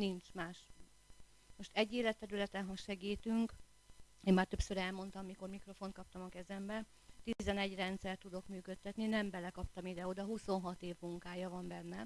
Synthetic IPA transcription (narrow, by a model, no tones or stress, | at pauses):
nint͡ʃmaːʃ | mo̞ʃt̪ɛɟːeːlɛt̪ːɛɾylɛt̪ɛnɦɒʃɛɡiːt̪yŋk | eːmːaːrt̪ø̞psøɾɛlmo̞nt̪ɒmːiko̞rmikro̞fo̞nt̪̚kɒp̚t̪ɒmɒkɛzɛmbɛ | t̪izɛnɛɟrɛnt̪sɛrt̪ːud̪o̞kmyːkø̞t̪ːɛt̪ninɛmbɛlɛkɒp̚t̪ɒmid̪ɛo̞d̪ɒɦuso̞nɦɒt̪eːvmuŋkaːjɒvɒmbɛnːɛ